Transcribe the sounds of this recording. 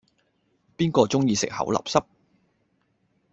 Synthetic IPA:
piː˥nkɔː˧t͡sʊ˥ŋjiː˧sɪ̰˨k̚hɐ̰˨˥wlɐ̰˨˩p̚sɐ˥p̚

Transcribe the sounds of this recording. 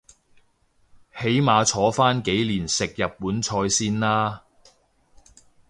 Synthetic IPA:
he˨˥jmaː˨˧t͡ʃʰɔː˨˥faː˥nke˨˥jliː˨˩nsɪ˨k̚jɐ˨pːuː˨˥nt͡ʃʰɔː˧jsiː˥nlaː˥

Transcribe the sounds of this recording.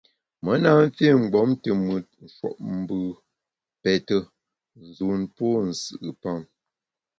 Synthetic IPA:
mə˨˦na˦n̩˦fe˦˨ŋ͡m̩˨ɡ͡bɔ˨˦mtə˨mɨ˨t̚n̩˨ʃwɔ̰˨ʔ̚m̩˨bɨ˨ | pɛ˨tə˦ | zu˨npɔ˦n̩˨sɨ˦˨ʔɨ˨pa˦˨ŋ

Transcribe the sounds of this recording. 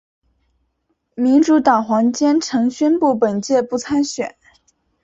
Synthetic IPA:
mi˧˥nʈ͡ʂu˧˥t̪ɑ˨˩ŋxwɑ˧˥ŋt͡ɕjɛ˥nʈ͡ʂʰɤ˧˥ŋɕɥɛ˥npu˥˩pə˨˩nt͡ɕjɛ˥˧pu˥˩t͡sʰa˥nɕɥɛ˨˩˦n

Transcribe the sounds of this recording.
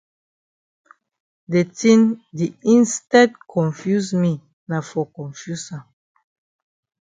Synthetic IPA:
de˨tĩ˦ndi˨ĩ˦nstɛ˦dkʰɔ̃˨nfju˦smi˨ | na˨fɔ˨kɔ̃˨nfju˦sɔ̃˨n

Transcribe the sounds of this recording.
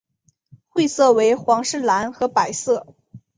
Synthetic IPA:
xwe˥˧ɪsɤ˥˩we˧˥ɪxwɑ˧˥ŋʂɻ̩˥˩la˧˥nxɤ˧˥pa˨˩ɪsɤ˥˩

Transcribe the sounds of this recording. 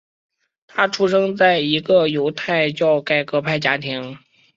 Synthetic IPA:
t̪ʰa˥ʈ͡ʂʰu˥ʂɤ˥ŋt͡sa˥˩ɪi˧˥ɡə˧jo˧˥ʊt̪ʰa˥˧ɪt͡ɕjɑ˥˧ʊka˥˩ɪkɤ˧˥pʰa˥˩ɪt͡ɕja˥t̪ʰi˧˥ŋ

